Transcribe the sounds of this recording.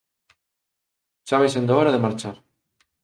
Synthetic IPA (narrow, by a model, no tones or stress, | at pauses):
ʃaβajsend̪oɔɾaðemaɾt͡ʃaɾ